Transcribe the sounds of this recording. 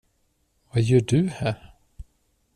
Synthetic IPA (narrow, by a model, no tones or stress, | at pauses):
vajœːɖɵhæːɾ